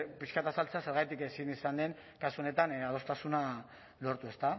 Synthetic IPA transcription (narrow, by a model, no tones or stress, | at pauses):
piskat̪asalt͡sase̞ɾɣajt̪ikesinisand̪e̞ŋ | kasuone̞t̪anað̞o̞st̪asuna | lo̞ɾt̪ue̞st̪a